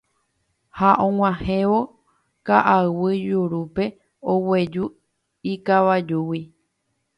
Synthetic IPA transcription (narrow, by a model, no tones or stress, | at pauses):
haʔõŋʷãhẽʋo̞ | kaʔawɨd͡ʒuɾupe̞ | owe̞d͡ʒu | ikaʋad͡ʒuwi